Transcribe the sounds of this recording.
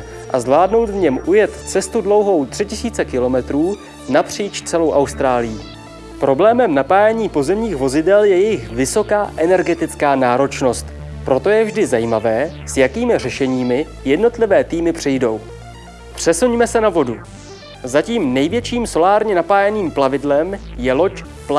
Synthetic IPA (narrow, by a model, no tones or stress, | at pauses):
ʔazvlaːdno̞wt̪vɲɛmʔujɛt̪t͡sɛst̪udlo̞wɦo̞wt̪r̥ɪcɪsiːt͡sɛkɪlo̞mɛt̪ɾuː | napr̝̥iːt͡ʃt͡sɛlo̞wʔawst̪ɾaːlɪji | pɾo̞blɛːmɛmnapaːjɛɲiːpo̞zɛmɲiːxvo̞zɪdɛljɛjɛjɪxvɪso̞kaːʔɛnɛɾɡɛt̪ɪt͡skaːnaːɾo̞t͡ʃno̞st̪ | pɾo̞t̪o̞jɛvʒdɪzajiːmavɛːsjakiːmɪr̝ɛʃɛɲiːmɪ | jɛdno̞t̪lɪvɛːt̪iːmɪpr̝̥ɪjdo̞w | pr̝̥ɛsuɲmɛsɛnavo̞du | zaciːmnɛjvjɛt͡ʃiːmso̞laːɾɲɛnapaːjɛniːmplavɪdlɛmjɛlo̞c | pl